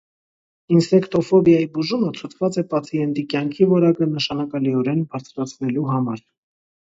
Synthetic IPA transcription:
insɛkt̪ɔfɔbjɑjibuʒumət͡sʰut͡sʰvɑt͡sɛpɑt͡sʰiɛnt̪ikjɑŋkʰivɔɾɑkənəʃɑnɑkɑliɔɾɛnbɑɾt͡sʰɾɑt͡sʰnɛluɦɑmɑɾ

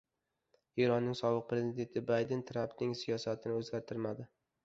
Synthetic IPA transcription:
eɾɒnːɪŋsɒbɨq̚pɾe̞zid̪e̞nt̪ʰɪbajd̪ɪnt̪ʰɾampnɪŋsijɒsat̪ʰɪnɪɵzɡʲaɾt̪ʰɪɾmad̪ɪ

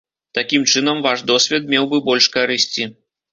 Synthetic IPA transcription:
t̪akʲimt͡ʂɨnɐmvaʂd̪ɔsʲvʲɛt̪̚mʲɛwbɨbɔlʲʂkaɾɨsʲt͡sʲi

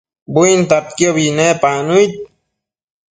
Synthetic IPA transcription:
bujnt̪ap̚kjoβinepanujt̪̚

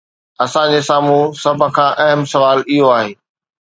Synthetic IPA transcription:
ɐsãd͡ʑesaːmusɐbʱkʰãːʔɐɦəmsɐʋaːlɪɦoaːɦeː

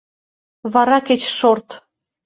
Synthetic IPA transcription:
βɑɾɑket͡ɕʃort̪

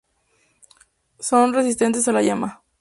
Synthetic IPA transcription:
so̞nresis̬t̪e̞nt̪es̬alaʝama

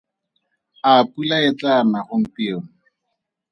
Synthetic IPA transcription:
apulaɪt͡ɬanaχʊŋ̩tioŋ̩

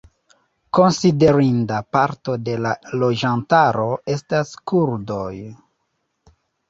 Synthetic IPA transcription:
ko̞nside̞ɾindapaɾto̞de̞lalo̞d͡ʒantaɾo̞e̞staskuɾdoj

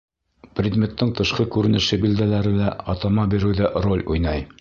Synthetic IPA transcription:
prʲɪd̪mʲe̞t̪ːɤɴt̪ɤ̆ʃqɤkʉɾɘ̆nɘ̆ʃɘbild̪ælæɾɘlæɒt̪ɑmɑbiɾɘ̆wðæʔrolʲujnɑj

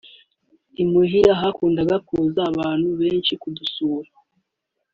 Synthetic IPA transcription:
imuɦiɾaɦakuːndaɡakuːzaːβaːn̥huβe̞ːnʃikudusuːɾa

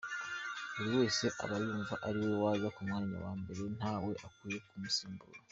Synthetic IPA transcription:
uɾiwo̞ːse̞ʔa̰βajuːɱvaʔaɾiwo̞waːβakumŋaːɲa̰wa̰ːmbe̞ɾe̞n̥aːwe̞ʔakuje̞kumusiːmbṵɾa

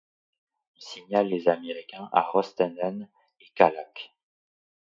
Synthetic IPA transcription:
ilsiɲalːezameʁikʲɛ̃ʔa̰ʁɔst̪ɛnɛn | ekalak

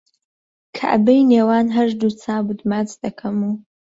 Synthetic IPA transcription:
kʰa̰ʔbejneːwaːnɦɐʒd̪ut͡sʰaːbud̪mat͡sd̪̥ɐkʰɐmuː

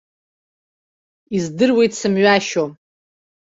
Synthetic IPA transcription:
izdɨrwejtʰsɨmɥaʃom

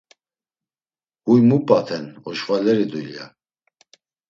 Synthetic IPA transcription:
hujmupʼat̪ʰɛnɔʃvalɛɾid̪ulja̰

